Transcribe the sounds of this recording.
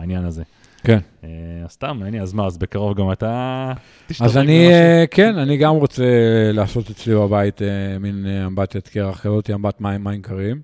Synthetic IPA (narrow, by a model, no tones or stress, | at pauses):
ainjanaze | ken | eḁst̪ameniazmaːzbekaʁovɡamat̪a | tiʃazanikʰenaniɡamʁo̞t͡selaːso̞t̪et͡slibabait̪emineambat̪jat̪keʁaχkalot̪iambat̪maimːaimkaʁim